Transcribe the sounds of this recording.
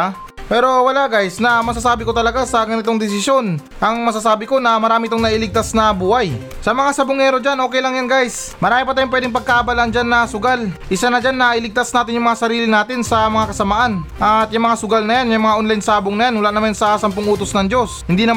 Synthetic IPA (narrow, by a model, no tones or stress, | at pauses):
pɛːɾo̞wɐlaɡajsnɐmɐs̬asaːbɪko̞t̪ɐlɐɡasɐɡɐnɪt̪o̞ŋd̪ɪs̬ɪsjo̞n | ʔɐŋmɐs̬asaːbɪko̞nɐmɐɾaːmɪt̪oŋnɐʔɪlɪɡ̚t̪asnɐbuːhɐj | sɐmɐŋasɐbʊŋɛːɾo̞d͡ʒanʔoːkɛjlɐŋjanɡajsmɐɾaːmɪpɐt̪aːjʊŋp̬wɛːd̪ɪŋpɐɡ̚kaʔɐbalɐnd͡ʒanːɐsʊɡalʔɪsanɐd͡ʒanːɐʔɪlɪɡ̚t̪asnaːt̪ɪnjʊŋmɐŋasɐɾiːlɪnaːt̪ɪnsɐmɐŋakɐsɐmaːʔanʔɐt̪jʊŋmɐŋasʊɡalnɐjanjʊŋmɐŋaʔonlajnsaːboŋnɐjanmʊlaʔnɐmansɐsɐmpoŋʔuːt̪osnɐŋd͡ʒo̞shɪnd̪iːnɐ